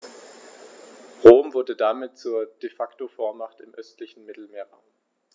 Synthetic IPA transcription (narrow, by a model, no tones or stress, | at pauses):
ʁoːmvʊɐdədamɪt̚t͡suːɐd̥efaktofoːɐmaχtɪmʔœstlɪçn̩mɪtl̩meːɐʁaʊm